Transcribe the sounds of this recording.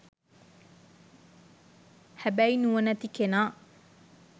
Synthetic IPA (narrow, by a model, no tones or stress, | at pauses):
hæbæjnuʋɐnɐt̪ikenaː